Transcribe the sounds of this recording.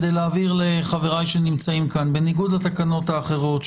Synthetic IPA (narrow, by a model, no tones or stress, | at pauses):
d̪ejlaːviʁle̞χaveʁajʃenimt͡saimkanbe̞niɡud̪at̪akano̞t̪haːχe̞ʁo̞t̪